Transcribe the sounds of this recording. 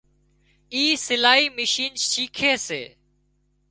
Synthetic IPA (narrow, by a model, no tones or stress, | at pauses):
iːsɪlaːiːmɪʃiːnʃiːkʰeːsḛː